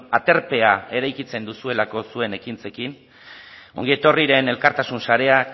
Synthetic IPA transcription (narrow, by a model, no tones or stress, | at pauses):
at̪e̞ɾpe̞ae̞ɾajkit͡se̞nd̪usue̞lako̞sue̞ne̞kint͡se̞kin | o̞̰ŋɡiet̪o̞riɾe̞ne̞lkaɾt̪asunsaɾe̞a